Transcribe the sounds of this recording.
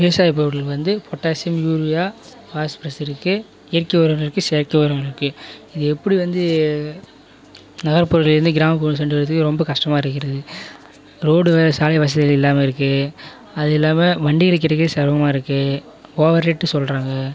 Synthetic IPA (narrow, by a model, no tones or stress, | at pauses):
peːsaːjp̬ːoːɾɣɐɭʋɐnd̪ɯfɔʈːaːsɪɐmjuːɾɪjaː | faːspɾɐsɪɾɯkːɯ | ɪjɐɾkːɪoːɾɐŋɐɭɪɾɯkːɯseːɾkɪoɾɐŋɡɐɭɪɾɯkːɯɪðɯɛpːɐɽiʋɐnd̪ɯ | nɐɣɐɾpːʊːɾɣɐlɪɾɯnd̪ɯɡɪɾaːmɐp̬uːnɯs̬ɛɳɖɯʋɐɾɐt̪ːɯkːɯɾɔmbɐkɐʂʈɐmaːɪɾɯkːɪɾɐðɯ | ɾoːɽɯʋlɐsaːlɐɪʋɐs̬ɐðɪɣɐɭɛlːaːmɐɪɾɯkːɯ | ɐðɛlːaːmɐʋɐɳɖɪɣɐɭɯk̬ːɪɽɐkːɐðɯsɐɾʋɐmaːɪɾɯkːɯ | oːʋɐɾeʈːɯsɔlɾaːŋɡɐ